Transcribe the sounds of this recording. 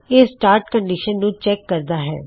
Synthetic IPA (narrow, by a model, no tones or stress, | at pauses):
eːsʈaːɾʈkəɳɖiːʃənːũːt͡ʃɛːkːəɾd̪aːɦɛ̰ː